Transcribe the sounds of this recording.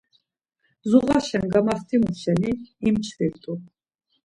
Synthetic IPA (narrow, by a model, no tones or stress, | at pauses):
zuʁaʃɛnɡamast̪ʰimuʃɛniimt͡ʃʰɾiɾt̪ʼu